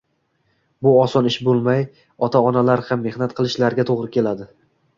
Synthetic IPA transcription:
bʊɒsɒnɪʃbolˠmaj | ɒt̪ʰaɒnalaɾhamːe̞hnat̪qʰɨlˠɪʃlaɾɡʲat̪ʰoʁɾɪkʲʰe̞lad̪ɪ

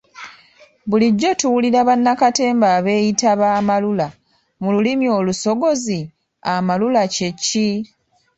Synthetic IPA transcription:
βuliɟːo̞tuwuliɾaβanːakate̞ːmbaːβe̞ːjitaβaːmalula | mululimjo̞ːluso̞ɡo̞zi | amalulacecːi

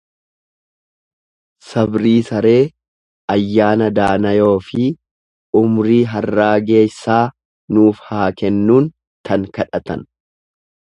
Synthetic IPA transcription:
sɐbɾiːsɐɾe̞ː | ɐjːaːnɐd̪aːnɐjo̞ːfɪ | ʊmɾiːɦɐrːaːɡe̞ːsːaː | nuːfhaːkɛnːuːn | t̪ʰɐŋkɐᶑɐt̪ɐ̰n

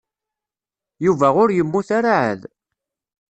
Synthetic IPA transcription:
juvæʁʊɾjəmːuθaɾaʕə̰ð

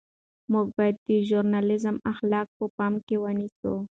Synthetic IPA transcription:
mʊɡ̚bɑjad̪ːəʒuɾnɑlɪzəmaxlɑk̚pəpɑmkewəniso̰

